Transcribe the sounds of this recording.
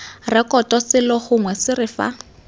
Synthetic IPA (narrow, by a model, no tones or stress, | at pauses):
rɪkɔtʼɔsɪlɔχʊŋwɛsɪrɪfa̰